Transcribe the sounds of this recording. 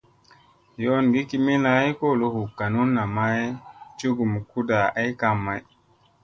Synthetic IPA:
jo˦nɡi˦ki˨mi˦na˨˦jko˦˨lo˦hu˨kːa˨nu˦nːa˨ma˦jt͡ʃu˦ɡu˨m˨ku˦da˨ʔa˦jka˨mːa˨j

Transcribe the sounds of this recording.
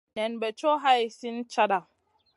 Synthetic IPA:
nɛ˨nbɛ˨t͡ʃoː˦ɦa˦jsi˦nt͡ʃa˦ɗa˨

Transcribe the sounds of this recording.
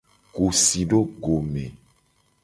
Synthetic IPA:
ɡu˨si˨ɖo˦ɡo˨mẽ˨

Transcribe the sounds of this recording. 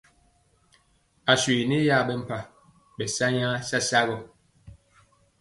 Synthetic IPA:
a˨swi˨ni˦ja˦˨bɛ˦m̩˨pa˨ | bɛ˨sa˦ɲa˦sa˦sa˦ɣɔ˨

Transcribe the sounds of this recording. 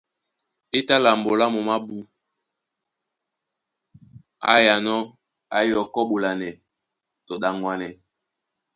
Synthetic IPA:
e˦ta˦la˨mbo˨la˦mo˨ma˦bu˦ | a̰˦ja˨nɔ˦ | a˨˦jɔ˨kɔ˦ɓo˨la˨nɛ˨ | to˨ɗa˨ŋɡwa˨nɛ˨

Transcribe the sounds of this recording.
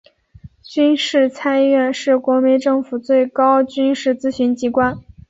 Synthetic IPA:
t͡ɕy˥nʂɻ̩˥˩t͡sʰa˥nɥɛ˥˧nʂɻ̩˥˩kwɔ˧˥mi˧˥nʈ͡ʂɤ˥˩ŋfu˨˩t͡swe˥˩ɪkɑ˥ʊt͡ɕy˥nʂɻ̩˥˩˧t͡sɹ̩˥ɕy˧˥nt͡ɕi˧˥kwa˥n

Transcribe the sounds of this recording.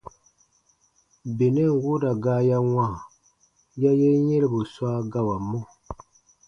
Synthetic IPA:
be˨nɛ˦˨ŋ˨wu˦da˨ɡaː˦ja˦wã˦˨ | ja˦jɛ˦ɲɛ˦lbɨ˨sa˦ɡa˦wa˨mːo˦

